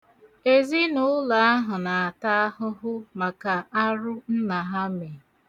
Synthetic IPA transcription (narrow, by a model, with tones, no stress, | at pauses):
e˨zi˦nʊ˦la˨a˦ɦʊ˨na˨a˨ta˦a˦hʊ˦ɦʊ˦ma˨ka˨a˦ɾʊ˦n̩˦na˨ɦa˦me˨